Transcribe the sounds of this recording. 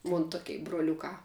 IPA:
ˈmʊn ˈtʊkʲɛɪ broːˈlʲʊkɑː

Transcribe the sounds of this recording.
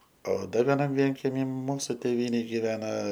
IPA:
oː ˈdɐr ʋʲɛˈnɐm ˈʋʲiɛŋʲkʲɛmʲiː ˈmuːsʊ ˈtʲeːʋʲiːnʲeːj ɡʲɪˈʋʲæːnɐ

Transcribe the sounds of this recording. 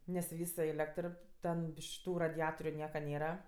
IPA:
nʲɛs ˈʋʲiːs sʊ ˈeːlʲɛktr ˈtʲɛn ˈbʲɪʃ ˈtuː rɐdʲɪˈɑːtoːrʲʊ ˈnʲiɛkɐ ˈnʲeːrɐ

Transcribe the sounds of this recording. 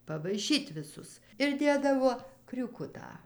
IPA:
pɐʋɐɪˈʃʲiːtʲ ʋʲɪˈsʊs ɪr ˈdʲeːdɐʋoː krʲuːˈkʊtɑː

